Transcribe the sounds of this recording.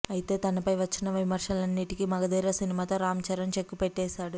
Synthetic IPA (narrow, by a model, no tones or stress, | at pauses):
ɐjit̪e̞ːt̪ɐnɐpɐjʋɐt͡ʃːinɐʋimɐɾʂɐlɐnːiʈikimɐɡɐd̪iːɾɐsinimaːt̪o̞ːɾaːmt͡ʃɐɾɐnt͡ʃe̞kːupeʈːɛːʃaːɽu